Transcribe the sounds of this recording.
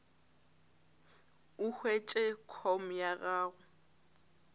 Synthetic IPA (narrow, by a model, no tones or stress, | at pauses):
ʊhwet͡ʃʼɛkʰɔm̩jaɣaːɣʊ